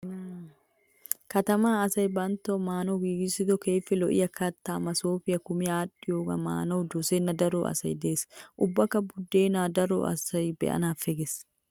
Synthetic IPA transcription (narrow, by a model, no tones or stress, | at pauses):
kɐt̪ɐmaːɐsɐjbɐnt̪omaːnoːɡiːɡɪsɪt̪ɔkeːfːɛlɔʔɪ̰jɐkɐt̪ːaːmɐsoːfɪjɐkʊmɪaːᶑɪjoːkɐ̰ma̰ːnoːd̪ɔsenːɐd̪ɐɾoːʔɐ̰sɐ̰jd̪eːsʔʊbːɐkɐbʊd̪ːeːnaːd̪ɐɾo̰ʔɐ̰sɐjbɛ̰ʔɐ̰naːfɛɡɛs